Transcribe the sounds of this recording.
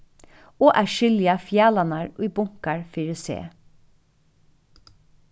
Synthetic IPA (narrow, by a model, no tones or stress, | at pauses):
oːʔæːʃʏlɪɑfjæːlɑnɑɹʔiːbʊŋkɑɹfɪɹʉsḛː